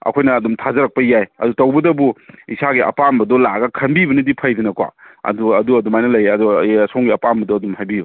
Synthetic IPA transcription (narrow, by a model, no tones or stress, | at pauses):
ɐ̰kʰojnɐːdumtʰazɐɾɐk̚pɐjajɐ̰dutɐwbɐdɐbuisaɡiʔɐ̰pambɐdɔlaɡɐkʰɐnbibɐnidipʰɐjdɐnɐkwa̰ɐ̰duɐduɐdumajnɐlɐjɐdɔsoŋɡiɐpambɐdɔɐdumhajbibɐ